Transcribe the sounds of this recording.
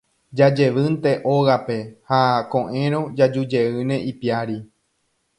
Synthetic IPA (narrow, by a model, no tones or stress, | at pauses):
d͡ʒad͡ʒe̞ʋɨnt̪e̞ʔoɣape̞hakõ̞ʔẽ̞ɾ̃õ̞d͡ʒad͡ʒud͡ʒe̞ɨnẽ̞ʔipiaɾi